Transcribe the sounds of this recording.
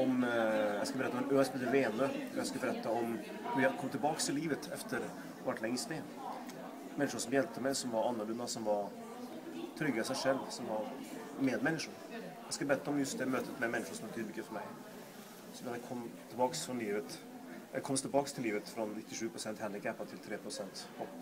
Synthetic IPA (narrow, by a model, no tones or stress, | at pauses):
ɔmjɛskɑlbɾɛt̪ːɔmɛnøːɛsmeːt̪ːəveːnøjɛɡskabəɾɛt̪ːaɔm | hʉɾjɛhd̪əkʰɔmːt̪ʰɪlbɑːkst̪ʰɪlːiːvət̪ʰɛ̰ft̪ʰəɾ | ʋaʈlɛŋːəsneː | mɛnːɪʂʊʂsɔmjɛlt̪əmɛɪsɔmvɑɾɑnːəɭɵnasɔmvɑɾ | t̪ʰɾʏɡːasɛɪʂɛlːsɔmvɑɾmeːd̪mɛnːɪʂʊɾ | jɑskabɛɾɛt̪ːəɔmjɵst̪d̪ɛmøːt̪ʰət̪mɛmɛnːɪʂʊʂɔmhɑbət̪yːd̪əmʏkːəfœɾmɛɪ | sɔmjhɑd̪əkʰɔmːt̪ʰɪlbɑːksfɾɔnliːʋvət̪ | kʰɔməst̪ʰɪlbɑːkst̪ʰɪliːvət̪fɾɔnːɪt̪ːɪʂʉːpʰɾʊsɛnt̪hɛnd̪ɪɡɛpːat̪ʰɪlt̪ʰɾeːpʰɾʊsɛnt̪hʰɔl